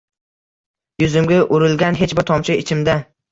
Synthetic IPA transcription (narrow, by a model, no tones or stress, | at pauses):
jʊzɪmɡʲaʔʊɾɪlɡʲanɦe̞t͡ʃbɪɾt̪ʰɒmt͡ʃʰɪɪt͡ʃʰɪmd̪a